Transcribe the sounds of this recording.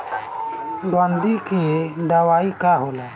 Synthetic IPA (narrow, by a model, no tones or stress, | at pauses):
dand̪ikieɖ̪awaikaɦola